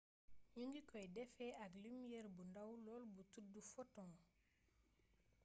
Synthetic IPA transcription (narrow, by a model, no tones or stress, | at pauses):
ɲuŋɡikɔjdɛfɛaklimijɛɾbundawlɔːlbutudːufɔtɔ̃